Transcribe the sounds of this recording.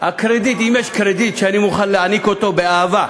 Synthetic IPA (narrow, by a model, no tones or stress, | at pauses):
ɐkʰɾed̪it̪imeʃkʰɾed̪it̪̚t͡ʃʰɐnimuχɐlːeɐnikot̪obeaːʋɐ